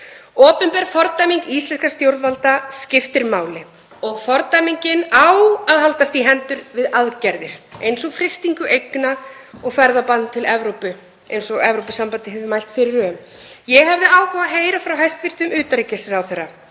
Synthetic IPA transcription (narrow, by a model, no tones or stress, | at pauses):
ɔːpʏmpɛɾfɔɾt̪ajmiŋkist̪lɛnskast̪jowɾðvalt̪ascɪft̪ɪɾmaːwlɪ | ɔɣfɔɾt̪ajmiɲcɪnawaðɦalt̪ast̪iɦɛnt̪ʏɾvɪðaðcɛɾðɪɾ̥ejnsɔɣfɾɪst̪iŋkʏʔejknaɔɣfɛɾðapant̪t̪ʰːɪlɛvɾowpʏ | ejnsɔɣɛvɾowpɪsampant̪ɪɦɛvðɪmajl̥t̪fɪɾɪɾœːm | jɛɦɛvðɪaːwkavaɦeːjɾafɾawɦajst̪vɪr̥t̪ʏmʏːt̪aɾicɪsɪɾawθɛrːa